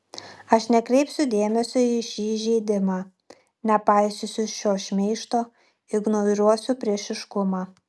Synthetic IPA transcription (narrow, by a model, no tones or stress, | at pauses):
ɐʃnʲɛkɾʲɛɪpsʲʊd̪ʲeːmʲɛsʲoiʃʲiːʒʲɛɪd̪ʲɪmaː | nʲɛpɐɪsʲʊsʲʊʃʲoːʃʲmʲɛɪʃt̪oː | ɪɡnoɾʲuɔsʲʊpʲɾʲiɛʃʲɪʃkʊmɑː